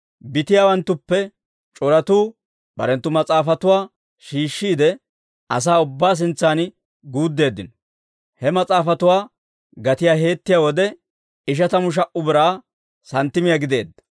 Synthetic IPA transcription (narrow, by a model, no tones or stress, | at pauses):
bɪt̪ɪjaːwɐnt̪ːʊpːɛ | t͡ʃʼɔɾɐt̪uː | b̥ɐ̰ɾɛnt̪ːʊmɐt͡sʼaːfɐt̪ʊwaː | ʃiːʃːiːd̪ɛ | ʔɐs̬aːʊbːaːs̬ɪnt͡sːaːn | ɡuːd̪ːe̞ːd̪ːɪnɔ | hɛmɐt͡sʼaːfɐt̪ʊwaː | ɡɐt̪ɪjaːɦe̞ːt̪ːɪjaːwɔd̪ɛ | ɪʃ̬ɐt̪ɐmʊʃ̬ɐʔʊbɪɾaː | sɐnt̪ːɪmɪjaɡɪd̪e̞ːd̪ːɐ̥